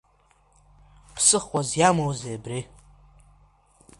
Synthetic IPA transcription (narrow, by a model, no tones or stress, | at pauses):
pʰsɨχʷazjamowzebri